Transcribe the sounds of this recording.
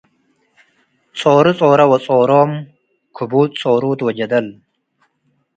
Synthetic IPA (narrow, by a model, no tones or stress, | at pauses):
t͡sʼoːɾut͡sʼoːɾɐwɐt͡sʼoːɾoːm | kʰʊbuːt̪̚t͡sʼoːɾuːt̪wɐd͡ʑɐd̪ɐl